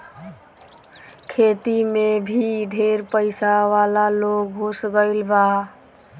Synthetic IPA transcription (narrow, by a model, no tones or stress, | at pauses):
kʰet̪imebʱiɖʱeɾpəɪsaʋalaloɡɦusɡəɪlba